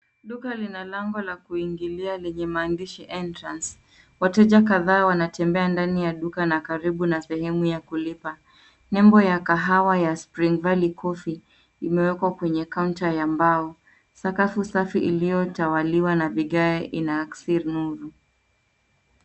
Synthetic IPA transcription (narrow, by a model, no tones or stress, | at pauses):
ɗukalinalaŋɡɔlakuiŋɡilialɛɲɛmaːndiʃiʔɛntɾans | watɛʄak̬aðaːwanatɛmbɛandanijaɗukanakaɾiɓunasɛhɛmujakulipa | nɛmbɔjakaɦawajaspɾiŋvalikʰɔfi | imɛwɛkwakwɛɲɛkauntajambaɔ | sakafusafiʔilijɔtawaliwanaviɠaɛʔinaksiɾnuɾu